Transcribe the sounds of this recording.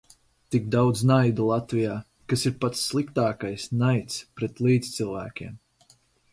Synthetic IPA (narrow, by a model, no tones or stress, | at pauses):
t̪ikd̪awd̪znajd̪ulˠɑt̪vijaː | kasiɾpat̪sːlˠikt̪ɑːkajsnajt̪spɾɛt̪lˠiːd̪zt̪sɨlˠvæːkʲiɛm